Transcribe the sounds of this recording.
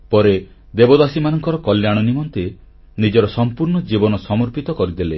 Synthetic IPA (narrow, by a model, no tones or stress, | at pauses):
pɔɾe | d̪ebɔd̪asimanɔŋkɔɾɔkɔljaɽ̃ɔnimɔnt̪e | nid͡ʒɔɾɔsɔmpuɾɳɔd͡ʒibɔnɔsɔmɔɾpit̪ɔkɔɾid̪ele